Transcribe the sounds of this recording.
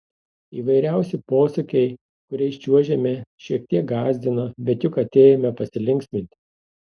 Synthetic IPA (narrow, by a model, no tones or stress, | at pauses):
iːʋɐɪɾʲæˑʊsʲɪpoːsʊkʲɛɪ | kʊɾʲɛɪʃʲt͡ʃʲuɔʒʲɛmʲɛʃʲiɛk̚t̪ʲiɛk̚ɡɑːzʲd̪ʲɪnɐbʲɛt̪jʊkɐt̪ʲeːjɛmʲɛpɐsʲɪlʲɪŋʲkʲsʲmʲɪnʲt̪ʲɪ